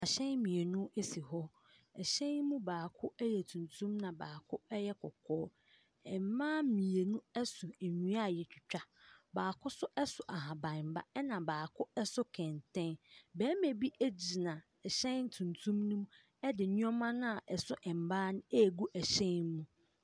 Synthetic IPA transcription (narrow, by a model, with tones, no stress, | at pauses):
a˨ɕɛ̃˦nmĩ˨e˨nʊ̃˦e˦si˨ɦɔ˦ | ɛ˨ɕɛ̃˦mũ˦baː˨kʰʊ˦ɛ˦jɛ˨tʰũ˨ntʰũ˦mnã˨baː˨kʰʊ˦ɛ˦jɛ˦kʰɔ̰˨kʰɔː˦ | ɛ˨m˨mãː˦mĩ˨e˨nũ˦ɛ˦sʊ˨e˨ɲũ˦a˦˨jɛ˨t͡ɕᶣi˨t͡ɕᶣa˦baː˨kʰʊ˦sʊ˦ʔɛ˦sʊ˨ʔa˨ɦã˨bã˨m̩˨ba̰˦ɛ˦nã˨baː˨kʰʊ˦ɛ˦sʊ˦kʰɛ̃˨ntʰɛ̃˦nbæː˨˦me˨bi˦ʔæ˦d͡ʑi˨nã˨ | ɛ˨ɕɛ̃˦nn˦tʰũ˨ntʰũ˦mnʊ̃˦mũ˦ | ɛ˦dɪ˨ɲũ˦ɔ˦mã˦nʊ̃˦a˨ʔɛ˨sʊ˦ʔɛ̃˨m̩˨baː˦nʊ̃˦ɛ˦˨ɡu˦ʔæ˨ɕɛ̃˦n˦mũ˦